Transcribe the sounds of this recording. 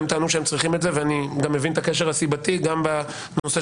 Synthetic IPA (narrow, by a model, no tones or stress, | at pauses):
mtaːnuʃeemt͡sʁiχimetzeveaniɡamːevint̪akeʃ̬eʁhasibatiɡamba | no̞se